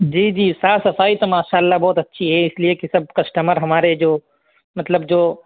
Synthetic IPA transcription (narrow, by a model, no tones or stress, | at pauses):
d͡ʒiːd͡ʒiːsaːsɐsaːit̪omaːʃaːəlːabɔːt̪ɐtːʃʰiɦɛɪsliekisɐb̚ʱkɐsʈəməɾɦɐmaːɾed͡ʒoː | mɐt̪ləbd͡ʒoː